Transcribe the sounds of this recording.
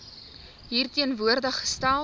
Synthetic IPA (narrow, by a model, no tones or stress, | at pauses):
ɦiːrtiənvuərdəχə̥stæl